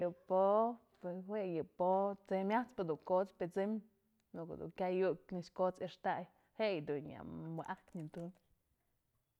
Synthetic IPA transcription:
jɨpo | pweshwejɨpot͡semʲjat͡spɨd̪uŋkot͡spet͡sɨm | nuko̰d̪ṵŋkʲajuknɨʃkot͡seʂt̪aʔj | heʔjd̪una̰mbɨʔakɲint̪un

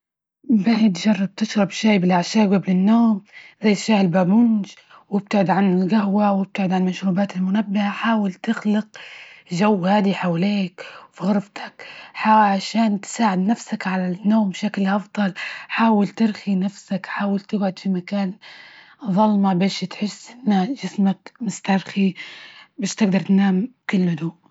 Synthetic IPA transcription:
bahɪt̪ʒɑrˤːɑb̚t̪ɪʃɾˤɑbʃaːbɪlʔaʕʃaːʔɡablɪnːoːmzajːʃaːhɪlbabʊnd͡ʒ | wɪb̚t̪aʕɪd̪ʕanɪlɡahwawɪb̚t̪aʕɪd̪ʕanmaʃɾuːbaːt̪ɪlmʊnabːɪhaħaːwalt̪ɪxlɪqʒawːhaːd̪iħawleːkfiɣʊɾˤft̪ʰḁkħaʕaʃaːnt̪ɪ̥saːʕɪd̪nafsakʕalanːoːmbʃaklʔɑfd̪ˤɑlħaːwalt̪ɪɾxinafsakħaːwalt̪ɪɡʕʊd̪fimakaːn | ðˤɑlmabeːʃt̪ħɪsːʔɪnːaʒɪsmakmʊst̪ɑɾˤxi | beːʃt̪ɪɡd̪ɑɾˤt̪naːmkɪlːʊd̪uː

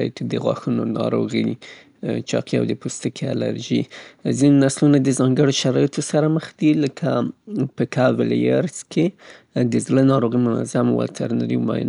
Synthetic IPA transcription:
jt̪d̪əɣwɑ̰xunonɑ̰ɾo̰ɣi | t͡ʃɑqia̰wd̪əpost̪əkʰea̰la̰ɾʒizinenaslunad̪əzɑŋɡəɽoʃaɾɑjet̪ʰosaɾaməxd̪iləkʰapəkʰavɪla̰ɾskʰe | d̪əzlənɑɾoɣimʊna̰zamwa̰t̪ʰaɾna̰ɾḭmɑ̰jɪ̰n

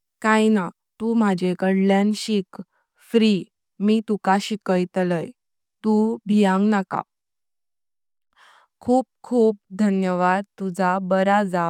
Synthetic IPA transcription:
kajna | t̪um̤ad͡ʑekəɽljãnɕik | fɾi | miːt̪ukaɕikəjt̪ləj | t̪ubʱijãŋɡnaka̰ | kʰuːp̚kʰuːp̚d̪ʱənjəʋad̪̚t̪ud͡zʱabəɾad͡za

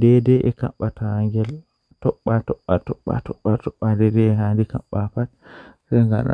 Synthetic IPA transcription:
dɛdɛʔɛka̰ɓːatʰahaŋɡɛl | tɔɓːatɔɓːatɔɓːa̰tɔɓːatɔɓːadɛdɛɛhandika̰ɓːapatsɛŋɡa̰ɗa̰

